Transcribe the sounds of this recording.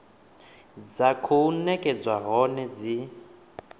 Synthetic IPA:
d͡zakʰuunɛkʼɛd͡zwaɦɔnɛd͡zi

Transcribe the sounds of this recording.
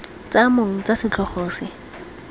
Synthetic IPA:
t͡samoŋ̩t͡sasɪt͡ɬʰɔχoːsɪ

